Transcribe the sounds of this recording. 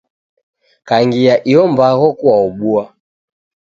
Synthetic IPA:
kaŋɡijaʔiɔmbaɣɔkuaɔɓua

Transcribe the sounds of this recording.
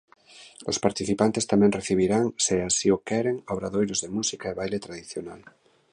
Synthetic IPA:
ospaɾt̪iθipant̪est̪amẽŋreθiβ̞iɾaŋseasiokeɾeŋaβɾaðojɾozðemusikaeβajlet̪ɾaðiθjonal

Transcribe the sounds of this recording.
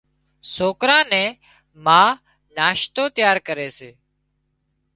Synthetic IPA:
soːkɾãːnɛ̃ː | mãː | naːʃt̪oːt̪ɪjaːɾkəɾeːseː

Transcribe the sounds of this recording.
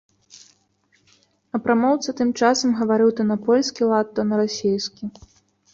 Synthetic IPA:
ɐpɾamɔwt̪sɐt̪ɨmt͡ʂasɐmɣɐvaɾɨwt̪ɐnɐpɔlʲsʲkʲilˠat̪ːɔnɐɾasʲejskʲi

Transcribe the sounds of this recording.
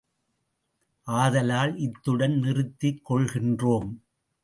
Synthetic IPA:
ʔaːðɐlaːlʔɪt̪ːɯɽɐnnɪrɯt̪ːɪkːɔɭɣɪndroːm

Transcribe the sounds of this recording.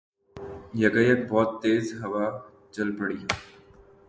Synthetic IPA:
jɐɡəjɐk̚bɔːt̪ːeːzɦɐʋa | t͡ʃɐlpɐɽiːɦɛ

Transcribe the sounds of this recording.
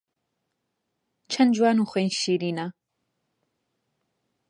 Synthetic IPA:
t͡ʃʰɐnd͡ʒwaːnuːxwejnʃiːɾiːna

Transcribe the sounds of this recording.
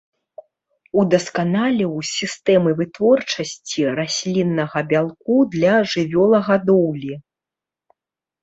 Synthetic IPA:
ud̪ɐskanalʲɛwsʲist̪ɛmɨvɨt̪vɔrt͡ʂɐsʲt͡sʲiɾasʲlʲinːɐɣɐbʲalˠkud̪lʲɐʐɨvʲɔlˠɐɣad̪ɔwlʲi

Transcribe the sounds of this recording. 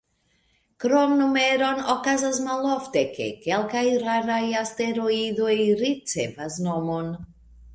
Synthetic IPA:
kɾomnumeɾonokazas̬maloftekḛkelkajɾaɾajast̪eɾoid̪ojɾit͡sevasnomon

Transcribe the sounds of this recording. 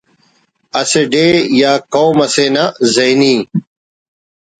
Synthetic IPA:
ɐseɖeːjaːkoːmɐsenɐzɐjniː

